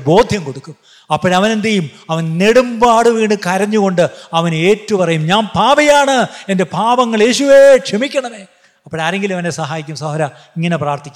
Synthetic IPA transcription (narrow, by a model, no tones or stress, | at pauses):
bo̞ːd̪ʱjɐmko̞ɽukːum | ɐpːoɽɐʋɐne̞nd̪ɐjumɐʋɐnneɽumbaːɽɨʋiːɳɨkɐɾɐɲːuɣo̞ɳɖɨɐʋɐne̞ːtːɐpɐrɐjumɲaːnpaːʋɐjaːɳɨe̞nde̞bʱaːʋɐŋːɐɭe̞ːɕuʋe̞kʂemikʲːɐɳɐʋeː | ɐpːoɽaːɾe̞ŋɡilɐʋɐnesɐɦaːjikʲːumsɐɦoɐɾɐ | iŋːɐne̞praːrt̪ʰikʲː